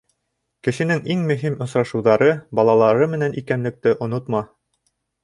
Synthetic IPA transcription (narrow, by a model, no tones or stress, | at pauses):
kɘ̆ʃɘ̆nɘŋiŋmɵ̆ɦimŏsɾɑʃŭwðɑɾɤbɑlˠɑlˠɑɾɤmɘ̆nænʔikænlɘ̆k̚t̪ɘʔŏnot̪mɑ